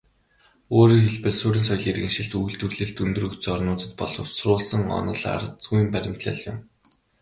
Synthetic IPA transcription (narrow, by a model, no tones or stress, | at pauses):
oːɾiːŋxeɮpɘ̆ɮsuːɾʲĭnsɔjɮirɣɘ̆ŋʃĭɮt̪uj̆ɮt̪wɵrɮɘ̆ɬt̪unt̪ɵ̆rɵkt͡s̆ːɔrnʊːt̪ə̆t̪̚pɔɮɞ̆wsrʊːɮsə̆ŋɔ̰nɞ̆ɮa̰ɾt͡sɡujmpæɾʲɪ̆m̥t̪ɮə̆ɮjʊ̰m